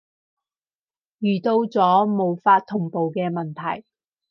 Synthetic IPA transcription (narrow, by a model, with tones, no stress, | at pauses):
jyː˨˩t̪o˧wt͡sɔː˨˥mo˨˧wfaː˧t̪ʰːʊ˨˩ŋpo˨wkɛː˧mɐ˨nt̪ʰɐ˨˩j